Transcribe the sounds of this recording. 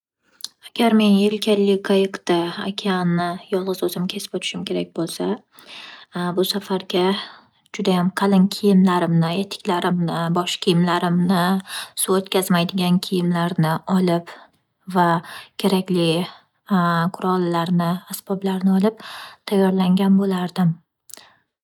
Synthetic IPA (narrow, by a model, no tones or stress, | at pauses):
aɡʲaɾme̞njelkʲʰalːɪkʰajɪkt̪aakʲʰanːɪjɒlˠʁɨzɵzɪmkʲʰe̞sɪ̥pɒt̪ʰɪ̥ʃɪmkʲʰe̞ɾak̚ʲbolˠsa | bʊsafaɾɡʲa | d͡ʒʊd̪ajamqʰɑlɪnkʲʰɪjɪmlaɾɪmnɪet̪ʰːɪ̥kʲlaɾɪmnɪbɒʃkʲʰijɪmlaɾɪmnɪsuot̪kʲazmajd̪ɪɡʲankʲʰijɪmlaɾnɪɒlɪp | vakʲʰe̞ɾakʲlɪ | qʰʊɾɒlˠlaɾnɪasb̥ɒblaɾnɪɒlɪp̚t̪ʰajːɒɾlaŋɡʲanbolaɾd̪ɪm